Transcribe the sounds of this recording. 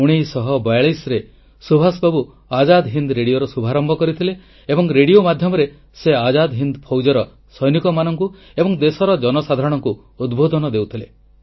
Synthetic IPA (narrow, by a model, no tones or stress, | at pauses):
uɽ̃ejsɔɦɔbajɭisɾe | subʱasbabu | ad͡ʒad̪ɦind̪ɾeɽijoɾɔsubʱaɾɔmbʱɔkɔɾit̪ʰileː | bɔŋɾeɽiomad̪ʱjɔmɔɾe | sead͡ʒad̪ɦind̪pʰowd͡ʒɔɾɔ | sɔjnikɔmanɔŋku | ebɔŋd̪esɔɾɔd͡ʒɔnɔsad̪ʱaɾɔɽ̃ɔŋku | ud̪bʱod̪ɔnɔd̪ewt̪ʰile